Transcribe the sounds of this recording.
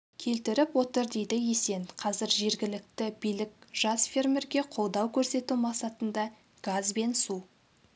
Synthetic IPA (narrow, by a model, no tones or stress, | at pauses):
kʲʰe̞lt̪ɪɾɪpwo̞t̪əɾd̪e̞jd̪ɪje̞se̞nqʰɑzɪɾʒe̞ɾɡʲɪlɪk̚t̪ɪbijlɪk̚ʲʒ̥ɑsfʲe̞rmʲeɾɡʲe̞qʰo̞lˠd̪ɑwkʲʰɵɾse̞t̪umɑqsɑt̪ənd̪ɑ | ɡ̥azbe̞nsu